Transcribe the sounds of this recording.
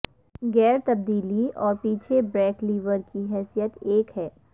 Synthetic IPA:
ɡɛːɾt̪ɐb̚d̪iːliɔːɾpiːt͡ʃʰebɾɛːkliːʋəɾkiɦɛːsijət̪eːkɦɛː

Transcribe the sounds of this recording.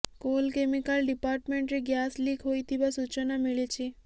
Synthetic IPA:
kolkemikəlɖipaːɾʈmeɳʈɾeɡjasliɡɦojt̪ʰiʋasut͡ʃənameɭet͡ʃʰe

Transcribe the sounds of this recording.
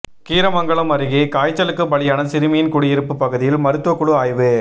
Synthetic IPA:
kiːɾɐmɐŋɡɐɭɐmɐɾɪɣikaːjt͡ʃːɐlɯkːɯbɐɭɪjaːnɐsɪɾɯmɪjɪnkʊɽɪjɪɾɯpːɯpːɐɣɯðɪjɪlmɐɾɯt̪ːuʋɐkːʊɽɯaːjʋɯ

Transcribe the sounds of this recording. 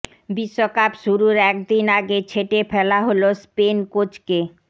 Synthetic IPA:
biʃːokapʃuɾuɾɛk̚d̪inaɡet͡ɕʰeʈefɛlaɦolospenkot͡ɕke

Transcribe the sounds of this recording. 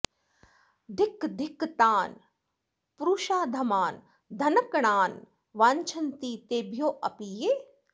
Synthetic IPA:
d̪ʱɪkd̪ʱɪkt̪aːn | pɾuːʃaːd̪ʱɐmaːn | d̪ʱɐnɐkɳaːn | ʋaːɲt͡ʃʰɐnt̪iːt̪eːbʱjoːʔɐpiːjeː

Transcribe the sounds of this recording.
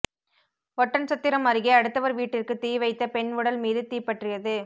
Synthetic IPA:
ʋɔʈːɐnt͡ʃɐt̪ːɪɾɐmɐɾɯɣeɐɽɯt̪ːɐʋɐɾʋiːʈːɪrkɯt̪iːʋɐɪt̪ːɐpɛɳʊɽɐlmiːðɯt̪iːpːɐʈrɪjɐðɯ

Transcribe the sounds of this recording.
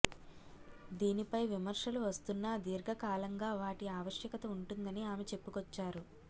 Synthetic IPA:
d̪iːnipɐjʋimɐɾʃɐluʋɐst̪unːɐd̪iːɾɡʱɐkaːlɐŋɡaːʋaːʈiaːʋɐʂjɐkɐt̪ɐuɳʈund̪ɐniaːmet͡ʃe̞pːukɔt͡ʃːaːɾu

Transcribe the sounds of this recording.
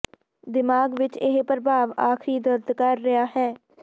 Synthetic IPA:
d̪ɪmaːɡʋɪt͡ʃɪɦpəɾəbʱaːʋaːkʰɾiːd̪əɾd̪kəɾːɪjaːɦɛː

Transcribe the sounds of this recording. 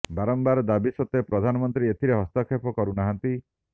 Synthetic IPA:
baɾɔmbaɾɔd̪abisɔt̪epɾɔd̪ʱanɔmɔnt̪ɾiet̪ʰiɾeɦɔst̪akʰepɔkɔɾunaɦant̪i

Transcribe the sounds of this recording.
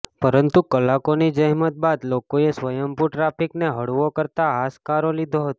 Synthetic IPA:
pəɾənt̪ukəlakonid͡ʒəɦmət̪̚bad̪lokoesʋəjəmpuɾʈɾapikneɦəɽuʋokəɾt̪aɦaskaɾolid̪ʱoɦət̪o

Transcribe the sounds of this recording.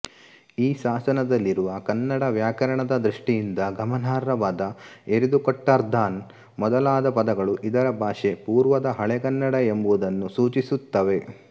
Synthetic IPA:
iːʃaːsɐnɐd̪ɐlːiɾuʋɐkɐnːɐɽɐʋjaːkɐɾɐɳɐd̪ɐd̪ɾiʂʈijind̪ɐɡɐmɐnaːɾɐʋaːd̪ɐeɾid̪ukɔʈːaːɾd̪aːn | mɔd̪ɐlaːd̪ɐpɐd̪ɐɡɐɭuʔid̪ɐɾɐbʱaːʃe̞puːɾʋɐd̪ɐɦɐɭɛɡɐnːɐɽɐe̞mbuʋud̪ɐnːusuːt͡ʃisut̪ːɐʋe̞

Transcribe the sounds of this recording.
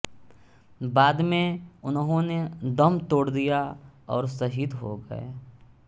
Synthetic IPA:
baːd̪mẽʊnɦõned̪ɐmt̪oːɽd̪ijaɔːɾsɐɦid̪ɦo̰ɡə̰ḛː

